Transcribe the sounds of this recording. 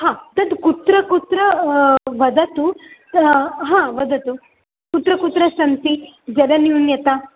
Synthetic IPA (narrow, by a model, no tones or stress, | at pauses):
ɦãːt̪ɐt̪kut̪ɾɐkut̪ɾɐʋɐd̪ɐt̪u | ɦãːʋɐd̪ɐt̪u | kut̪ɾɐkut̪ɾɐsɐnt̪id͡ʒɐlɐniunjɐt̪a